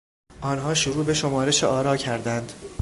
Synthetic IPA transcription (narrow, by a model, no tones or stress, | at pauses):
ʔɒːnɦɒːʃoɾuːbe̞ʃo̞mɒːɾe̞ʃeʔɒːɾɒːcʰæɾd̪ænd̪̥